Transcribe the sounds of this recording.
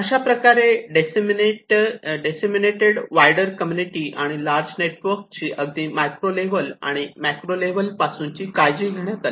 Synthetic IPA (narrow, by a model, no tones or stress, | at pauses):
əɕapɾəkaɾeɖesmieʈɖesemineʈeɽʋajɖəɾkəmjuniʈiːʔaɽ̃ilaɾd͡zneʈʋəɾkt͡ɕiːʔəɡd̪iːmajkɾoleʋəla̰ɽ̃imɛkɾoleʋəlpasuːnt͡ɕiːkajd͡ʑiːɡʱeɽ̃jat̪ali